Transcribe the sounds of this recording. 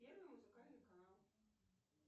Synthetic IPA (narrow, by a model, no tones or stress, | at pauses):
pʲɛrnɨmuzɨkalʲnɨkanalˠ